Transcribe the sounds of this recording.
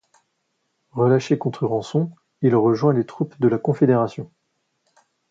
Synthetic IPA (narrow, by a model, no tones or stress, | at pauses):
ʁəlaʃekɔ̃t̪χyʁɑ̃sɔ̃ | ilʁəʒwɛ̃let̪χupd̪əlakɔ̃fed̪eʁasjɔ̃